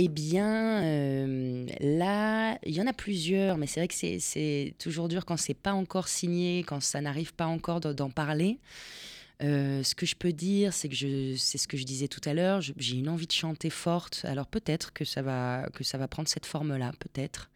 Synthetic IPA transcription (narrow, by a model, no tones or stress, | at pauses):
ebjɛ̃ømlailjɑ̃naplyzjœːʁmɛsɛvʁɛkə̥sɛ̰sɛt̪ʰuʒuʁd̪yːʁkɑ̃sɛpaɑ̃kɔʁsiɲekɑ̃sanaʁivpaɑ̃kɔʁd̪d̪ɑ̃paʁle | øsə̥kəʒəpød̪iʁsɛkəʒəsɛsə̥kəʒəd̪izɛt̪u̥t̪alœːʁʒəʒeynɑ̃vid̪əʃɑ̃t̪efɔʁt̪a̰lɔʁpøt̪ɛt̪χkəsavakəsavapχɑ̃d̪ʁsɛt̪fɔʁmlapøt̪ɛt̪χ